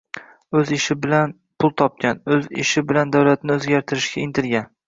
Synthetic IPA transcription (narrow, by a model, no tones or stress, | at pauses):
ɵzɪʃɪbɪlan | pʰʊlˠt̪ʰɒp̚kʲanɵzɪ̰ʃɪbɪland̪awlat̪nɪɵzɡʲaɾt̪ʰɪɾɪʃɡʲaɪnt̪ʰɪɾɡʲan